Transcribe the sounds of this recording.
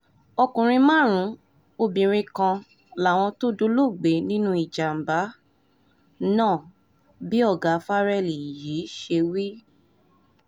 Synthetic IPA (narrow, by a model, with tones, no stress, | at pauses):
ɔ˧kũ˨ɾ̃ĩ˧mã˦˨ɾ̃ũ˨˦ | o˧bĩ˨ɾ̃ĩ˧kã˧ | la˨˦˨w̃ɔ̃˧to˦do˦lo˦˨ɡ͡be˨˦nĩ˦nũ˦i˦˨d͡ʒa˨m̩˨ba˨˦ | nãː˦˨ | bi˦ɔ˦˨ɡa˨˦fa˦ɾɛ˦˨li˨ji˨˦ʃe˧wi˦